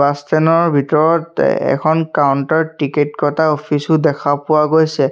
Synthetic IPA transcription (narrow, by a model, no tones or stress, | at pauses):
astɛnɔɹbʱitɔɹɔtɛ̰kʰɔnkauntɔɹʈiketkɔtaopʰisʊdɛkʰapʊaɡojsɛ